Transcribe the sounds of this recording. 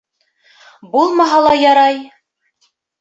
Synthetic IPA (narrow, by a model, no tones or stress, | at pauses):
bulˠmɑɦɑlˠɑjɑɾɑj